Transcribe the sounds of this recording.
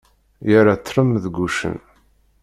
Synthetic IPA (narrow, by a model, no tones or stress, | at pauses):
jəɾat͡sːɾəmðɡʷuʃə̰n